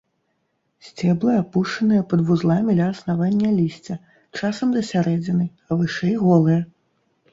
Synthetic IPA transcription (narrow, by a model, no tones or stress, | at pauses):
sʲt͡sʲɛblˠɐapuʂt͡ʂɐnɨjɐpɐd̪vuzlˠamʲid̪lʲɐːsnavanʲːɐlʲisʲt͡sʲɐ | t͡ʂasɐmd̪ɐsʲaɾɛd͡zʲinɨ | ɐvɨʂɛjɣɔlˠɨjɐ